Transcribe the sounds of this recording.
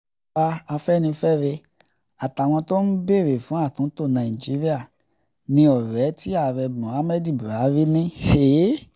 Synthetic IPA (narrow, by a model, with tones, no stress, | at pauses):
a˧a˧fɛ˦nĩ˧fɛ˦ɾe˧ | a˨ta˨w̃ɔ̃˧to˦n̩˦be˦˨ɾe˨fũ˨˦a˦˨tũ˨˦to˦˨nã˨i˨d͡ʒi˨˦ɾi˦a˦˨ | nĩ˧ɔ˨ɾɛ˨˦ti˦a˦˨ɾɛ˧bũ˨˦a˨˦mɛ˦di˦˨bu˨ɾa˨˦ɾi˦nĩ˦he˨˦